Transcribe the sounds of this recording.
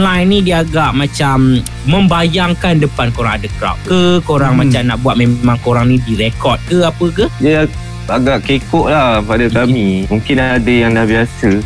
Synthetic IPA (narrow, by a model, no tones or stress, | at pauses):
nlajnːĩdiaɡaʔmãt͡ʃamː | ə̃mbajaŋkandəpankoɾaŋadakɾa̰ʔ̚kəkoɾaŋmãt͡ʃamnaʔbuat̪̚mẽmãŋkoɾaŋnidiɾekɔt̚kəapəkəjə | aɡaʔkekɔʔ̚lapadakamĩmũŋkɪnadəjaŋdahbiasə